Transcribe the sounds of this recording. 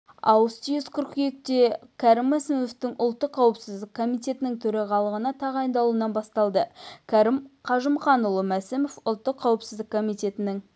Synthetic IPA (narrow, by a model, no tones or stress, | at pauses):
ɑ̰wst̪ijoskʲʰʏɾqjekt̪e̞kʲʰæɾɪmːæsɪmeft̪ɪŋʔʊlˠt̪ːəqʰːɑwəpsɪzd̪ɪkʰːo̞mijt̪e̞t̪ɪnɪŋt̪ʰɵɾɑʁɑlˠəʁənɑt̪ʰɑʁɑjnd̪ɑlˠuənɑnbɑst̪ɑlˠd̪əkʲʰɑɾɪmqʰɑʒəmχɑnʊlˠəmæsɪmofʊlˠt̪ːəqʰːɑwəpsɪzd̪ɪkʰːomijt̪e̞t̪ɪnɪŋ